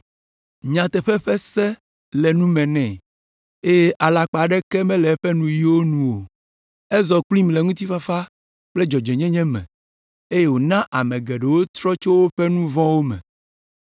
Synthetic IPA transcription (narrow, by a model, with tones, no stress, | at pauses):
ɲã˨t̪ɛ˨ɸɛ˦ɸɛ˦sɛ˦ | lɛ˨nũ˦mɛ̃˨nɛ̃˨ | e˦je˦ʔa˨la˨k͡pa˨ɖɛ˦kɛ˦mɛ̃˦lɛ˨˦ɸɛ˦nũ˦˨ji˦wo˦nũ˨wo˨ | e˦zɔ˨k͡plĩ˦mlɛ˨ŋũ˦t̪i˦fa˦fa˦ | k͡plɛ˦d͡ʒɔ˨d͡ʒɛ˨ɲɛ̃˦ɲɛ̃˦mɛ̰̃˨ | e˦je˦wo˨nã˦ʔa˨mɛ̃˨ɡɛ˨ɖɛ˨wo˦t̪ɾɔ˦t͡ʃo˦wo˦ɸɛ˦nũ˦vɔ̃˦wo˦mɛ̰̃˨